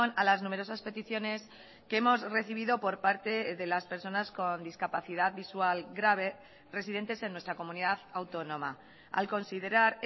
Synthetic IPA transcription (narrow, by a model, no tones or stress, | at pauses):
nalaznume̞ɾo̞saspe̞t̪iθjo̞ne̞s | kemo̞zre̞θiβ̞iðo̞po̞ɾpaɾt̪e̞ðe̞laspe̞ɾso̞nasko̞nd̪iskapaθiðaðβiswalɡɾaβ̞e̞ | re̞siðe̞nt̪e̞se̞nːwet̪ɾako̞mũniðaðawt̪o̞nõ̞ma | a̰lko̞nsiðe̞ɾaɾ